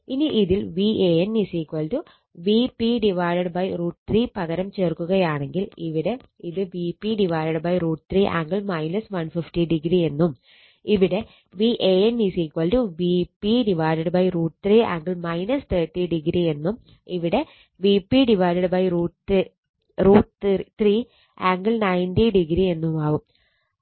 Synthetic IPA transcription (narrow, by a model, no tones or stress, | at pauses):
iniʔiðilʋiːʔeennisiːkʋɐːldu | ʋiːpiɖiʋaːjlɐɽbɐjruːʈt̪riːpɐɣɐɾɐmt͡ɕeːrkːuɣɐjaːɳe̞ŋɡiliʋiɽe̞iðɨʋiːpːiɖiʋaːlɐɽbɐjruːʈt̪riːʔa̰ːŋɡɐɭmɐjnɐsʋɐnfifʈiɖiɡɾie̞nːum | iʋiɽe̞ | ʋiʔeenːisikʋɐlduʋipːiɖiʋaːɾɐɽbɐjruːʈt̪riːʔa̰ːŋɡɨɭmɐjnɐst̪eːt̪ːiɖiɡɾie̞nːum | iʋiɽe̞ | ʋiːpːiɖiʋaːjɾɐɽɐbɐjruːʈ | ruːʈt̪ri | aːŋɡɨɭnɐjndiɖiɡɾie̞nːumaːʋum